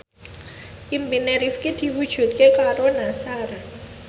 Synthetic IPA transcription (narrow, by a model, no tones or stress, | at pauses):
ʔimbineɾifkid̪̥i̤wud̥ʒ̥ṳt̪̚kekaɾonasaɾa